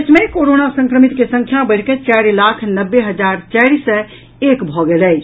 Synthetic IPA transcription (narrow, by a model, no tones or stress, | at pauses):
t͡ʃmẽkoːɾoːnasə̃ŋkɾəmɪt̪kesə̃ŋkʰjãbəɽ̤ket͡ʃaːɾilaːkʰnəbːeɦəd͡ʒaːɾt͡ʃaːɾisɛ | eːkbʱɔɡelɛ